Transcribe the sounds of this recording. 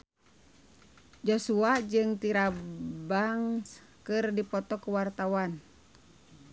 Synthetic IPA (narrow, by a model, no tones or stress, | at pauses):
d͡ʒɔsuad͡ʒɨŋt̪iɾabaŋs | kɨrdipɔt̪ɔkuwart̪awan